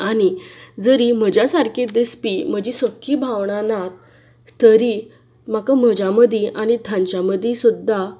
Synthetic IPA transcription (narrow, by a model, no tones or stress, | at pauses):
añid͡zəɾim̤əd͡ʑjasaɾkʰed̪espim̤əd͡ʑisəkʰːibʱaʋɳ̃anak̚ | t̪əɾi | m̤akam̤əd͡ʑaməd̪ʱiʔañit̪ʰãɲt͡ɕaməd̪ʱĩsud̪ːa